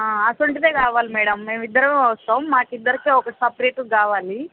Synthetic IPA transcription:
aasoɳʈid̪eːkaːʋaːlimɛːɽɐmːe̞ːmid̪ːɐɾɐmeɐt̪ɐːmːaːkid̪ːɐɾikiːɔkɐsɐpɾeːʈkaːʋaːli

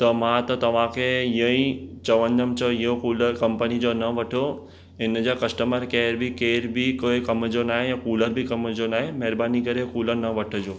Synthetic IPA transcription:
t̪ɐmãt̪ɐt̪ɐʋ̤ãkʰeɪɦə̃ĩt͡ɕɐʋə̃nd̪əmt͡ɕəɪɦokuːləkɐ̃mpənid͡ʑoːnɐʋɐʈʰo | ɪnd͡ʑakɐsʈəməɾkeːɾbɪkeːɾbɪkoːekɐmd͡ʑonaːɦejãːkuːləɾbɪkɐmd͡ʑonaːɦemɛːɾbaːnikɐɾekuːləɾnɐʋɐʈʰəd͡ʑoː

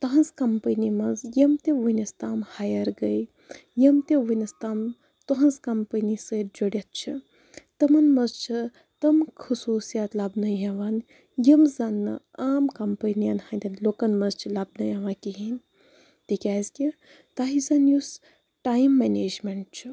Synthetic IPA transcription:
t̪ɐɦɐnzkɐmpənimɐzjɐmt̪eʋɨnɐst̪aːmhajɐɾɡɐj | jɐmt̪eʋɨnɐst̪aːm | t̪oɦɐnzkɐmpənisəd͡ʒoɽjɐt̪̚t͡ʃʰi | t̪ɐmɐnmɐzt͡ʃʰi | t̪ɐmkʰusuːsijat̪labnɐjɐʋan | jɐmzɐnːɨ̰ | aːmkɐmpənijɐnhand̪ʲɐnloːkɐnmɐzt͡ʃʰilabnɐjɐʋakiɦin | t̪ikʲaːzkʲi | t̪aɦizɐnjus | ʈaːjmːeneːd͡ʒmeɳʈ̚t͡ʃʰi

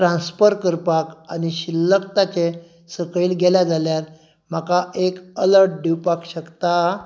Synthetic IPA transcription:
ɾãnsfəɾkəɾpakañiɕilːəkt̪at͡ɕe | səkɭiːlɡɛlad͡zʱaljaɾ | m̤akaʔekələɾʈ̚ɖʱiwpakɕəkt̪a

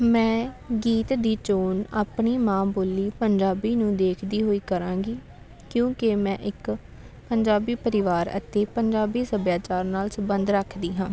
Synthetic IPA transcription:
mɛ̃ː | ɡiːt̪d̪iːt͡ʃoːnaːpɳiːmãːboːliːpəɲd͡ʒaːbiːnũːd̪eːkʰd̪iːɦoːiːkəɾãːɡiː | kjõːkemɛ̃ːʔɪk | pəɲd͡ʒaːbiːpəɾɪʋaːɾə̰t̪eːpəɲd͡ʒaːbiːsəbjaːt͡ʃaːɾnaːlsəbənd̪ɾəkʰd̪iːɦãː

